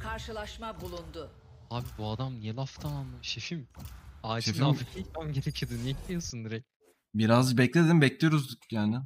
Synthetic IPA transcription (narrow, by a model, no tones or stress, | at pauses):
kʰaɾʃɯlˠaʃmabulˠund̪ʊ | habibuad̪amnijelʲˠaft̪ʰamanˠaʃefimaʃefafikʰitmæmɟe̞ɾecʰijod̪ɯniɛc̪ʲijosund̪iɾɛc̚ | biɾazbɛclʲed̪imbɛclʲejoɾuzd̪ukjaːnɪ